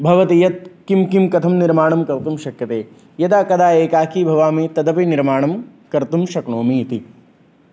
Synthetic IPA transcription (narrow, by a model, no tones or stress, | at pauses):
bʱɐʋɐt̪ijɐt̪̚kimkimkɐt̪ʰɐmniɾmaːɳɐmkɐɾt̪umʃɐkjɐt̪eː | jɐt̪aːkɐd̪aːeːkaːkʰiːbʱɐʋaːmiːt̪ɐd̪ɐpiniɾmaːɳɐm | kɐɾt̪umʃɐkɳoːmit̪i